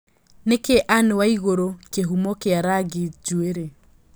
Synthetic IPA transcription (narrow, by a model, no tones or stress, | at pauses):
nekeʔanewaiɣoɾokeɦumɔkeaɾaɡid͡ʒueɾe